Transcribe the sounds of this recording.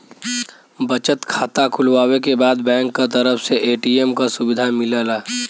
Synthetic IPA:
bət͡ʃət̪kʰaːt̪akʰʊlʋaːwekebaːd̪bɛ̃ːŋkːat̪əɾəfʰseʔeːʈiːemkasʊbɪd̪ʱamɪlaːlaː

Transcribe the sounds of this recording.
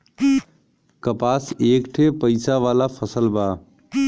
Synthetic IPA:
kəpaːseːkʈʰepəɪsaʋaːlapʰəsəlbaː

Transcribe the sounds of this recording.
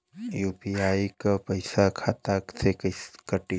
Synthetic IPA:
juːpiaːikapəɪsakʰaːt̪aksekkəʈi

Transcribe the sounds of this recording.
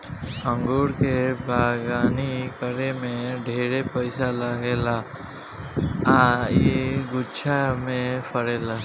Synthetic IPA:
ə̃ŋɡuːɾkebaːɡaːnikəɾemẽɖʱeːɾepəɪsalaɡeːlaː | aːiɡʊt͡ʃʰamẽpʰəɾeːlaː

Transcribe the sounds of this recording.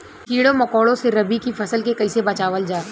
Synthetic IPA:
kiːɽõmɐkɔːɽõseɾɐbikifʰɐsəlkekɐisebɐt͡ʃaːʋəld͡ʒaː

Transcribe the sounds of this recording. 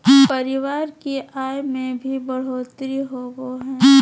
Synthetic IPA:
pɐɾɪʋaːɾkeʔaːjmẽbʱibəɽ̤oːt̪ɾiɦoːɡoɦɛ̃ː

